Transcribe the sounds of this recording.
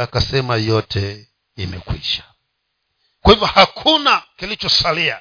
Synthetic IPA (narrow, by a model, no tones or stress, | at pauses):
akasɛmajɔtʰɛ | imɛ̰kwḭʃḁ | kwahivjɔhakʰunakilit͡ʃɔsalia̰